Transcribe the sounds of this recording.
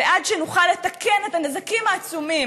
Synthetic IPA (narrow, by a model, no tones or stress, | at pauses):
eʔadʃenuχalːe̞t̪akenetanezakimaːt͡sumim